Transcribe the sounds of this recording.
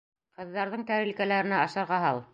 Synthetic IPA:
qɤ̆ðːɑɾðɤɴk̪æɾɘ̆lʲkælæɾɘ̆næɑʃɑɾʁɑɦɑlˠ

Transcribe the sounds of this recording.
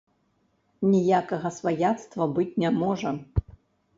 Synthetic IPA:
nʲijakɐɣɐsvajat̪st̪vɐbɨt͡sʲnʲɛmɔʐɐ

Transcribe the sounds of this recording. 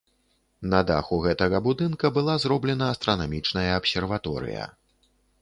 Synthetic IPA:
nɐd̪axuɣɛt̪ɐɣɐbud̪ɨnkɐbɨlˠazɾɔblʲɛnɐːst̪ɾɐnamʲit͡ʂnɐjɐːpsʲɛrvat̪ɔɾɨ̰jɐ̰

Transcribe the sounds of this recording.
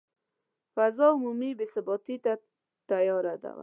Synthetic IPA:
fazɔʊmumibesɪbɔt̪it̪a | t̪ajɔɾad̪a̰wa̰

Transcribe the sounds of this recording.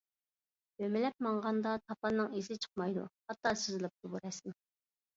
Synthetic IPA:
ømɪlɛp̚mɑɴʁɑnd̪ɑt̪ʰɑpɑnɨŋizɪt͡ʃʰə̥qmɑjd̪ṵhɑt̪ːɑsyzɪlˠɨp̚t̪ubuɾɛsɪn

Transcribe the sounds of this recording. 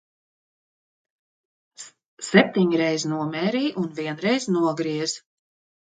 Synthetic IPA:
sɛp̚t̪iɲɾɛjznuɔmɛːɾiːʔunviɛnɾɛjznuɔɡɾiɛz

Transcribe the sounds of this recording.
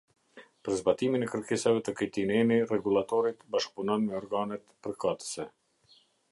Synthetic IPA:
pəɾzbat̪iminɛkəɾkɛsavɛt̪əkəjt̪inɛnirɛɡulat̪ɔɾit̪baʃk̚punɔnmɛɔɾɡanɛt̪pəɾkat̪ə̥sɛ

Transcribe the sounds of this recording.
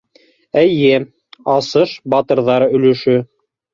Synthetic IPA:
æjɘ | ɑsɤʃbɑt̪ɤ̆ɾðɑɾɵ̆lɵ̆ʃɵ

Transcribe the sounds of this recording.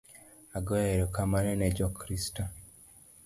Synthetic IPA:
aɡɔɛɾɔkamanɛnɛd͡ʒɔkʰɾistɔ

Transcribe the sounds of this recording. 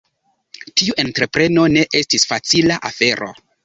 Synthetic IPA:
tiuʔe̞ntɾepɾe̞no̞ne̞ʔe̞stisfat͡silaʔa̰fe̞ɾo̞̰

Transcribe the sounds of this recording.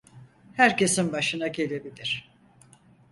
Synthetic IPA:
hæɾce̞sinbaʃɯnaɟe̞lʲe̞bilʲiɾ̥

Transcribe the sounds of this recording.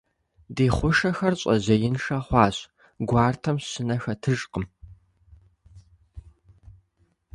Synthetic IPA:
deːχʷʊʂɐxɐrɕʼɐ̰ʑɐjɪnʂɐχʷɑːɕʼ | ɡʷɑːrtʰɐmɕɪnɐxɐtʰɨʒqəm

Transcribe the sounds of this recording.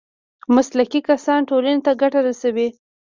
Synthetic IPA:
maslakikasɑnʈolanet̪aɡaʈaɾasawi

